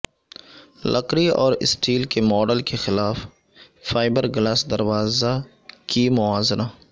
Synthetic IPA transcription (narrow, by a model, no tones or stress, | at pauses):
lʔɐ̰qɾiɔ̰ːɾɪ̰sʈiːlkemɔːɖəlkexɪlaːf | faːɪbəɾɡlaːsd̪ɐɾwaːza | kimʊaːzna